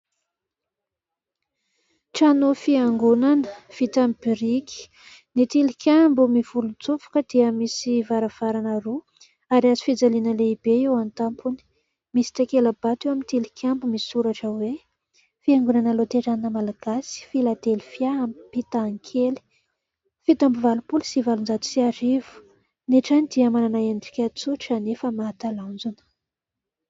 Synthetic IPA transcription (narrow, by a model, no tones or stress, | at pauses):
ʈ͡ʂanofiaŋɡunanəv̥it̪amibiɾikʲi̥ | nit̪ilikʰʲambumiv̥ulunt͡sufu̥kəd̪̥iəmisivaɾav̥aɾanəɾu | aɾiazi̥fid͡zalinəleib̥eewant̪ampuni̥ | misi̥t̪akeləb̥at̪ewamint̪ilikʰʲambumisuɾaʈ͡ʂəwe | fiaŋɡunanəlot̪eɾaninəmalaɡ̥asi̥filad̪elifjaampit̪aŋkʰeli̥ | fit̪ambuvalupulusivalund͡zat̪u̥siaɾivu̥ | neʈ͡ʂanid̪iamananaeniɖ͡ʐi̥kʲat͡suʈ͡ʂanefəmaat̪aland͡zunə̥